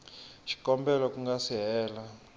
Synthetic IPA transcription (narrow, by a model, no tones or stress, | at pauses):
ʃi̥kɔmbɛlɔkuŋɡasiɦɛːla